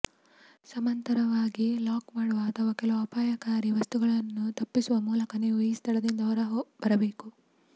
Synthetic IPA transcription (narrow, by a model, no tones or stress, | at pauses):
sɐmɐnt̪ɐɾɐʋaːɡilaːkmaːɽuʋɐːt̪ʰɐʋaːkɛlɐʋuɐpaːjɐkaːɾiʋɐst̪uɡɐɭɐnːut̪ɐpːisuʋɐmuːlɐkɐniːʋuiːst̪ʰɐɽɐd̪ind̪ɐɐɾɐɦbɐɾɐbe̞ːku